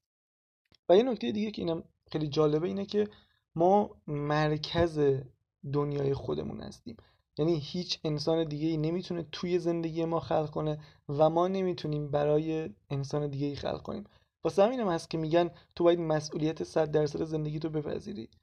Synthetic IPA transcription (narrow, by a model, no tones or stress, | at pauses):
væje̞no̞kcʰt̪ejed̪iɡɟecʰeiːnæm | xejlid͡ʒɒːle̞beiːnecʰe̞ | mɒːmæɾcʰæze̞ | d̪onjɒːje̞xo̞d̪e̞̰mṵːnhæ̰st̪ḭːm | jæniːhiːt͡ʃʰe̞nsɒːne̞d̪iːɟeiːne̞miːt̪ʰunet̪ʰuːje̞ze̞nd̪e̞ɡijemɒːxælɣkʰo̞ne̞væmɒːne̞miːt̪ʰuniːmbæɾɒːje̞ːnsɒːne̞d̪iːɡɟeiːxæ̰lʁkʰo̞̰niːm | vɒːsehæmiːnæmhæst̪̚cʰe̞miːɟænt̪ʰo̞bɒːjæd̪mæsʔuːlijæt̪ʰesæd̪̚ːæɾsæd̪eze̞nd̪e̞ɟit̪̬ʰobe̞pʰæ̰zḭːɾḭː